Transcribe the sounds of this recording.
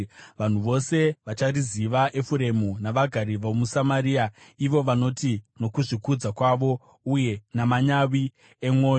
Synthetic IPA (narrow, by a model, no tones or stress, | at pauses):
ʋan̤uʋo̞se̞ʋat͡ʃaɾiziʋaʔe̞fuɾe̞munaʋaɡʱaɾiʋomusamaɾiːaiʋo̞ʋano̞tino̞kuʐikud͡zakwaʋo̞ | uje̞namaɲawi | emwo̞ːjo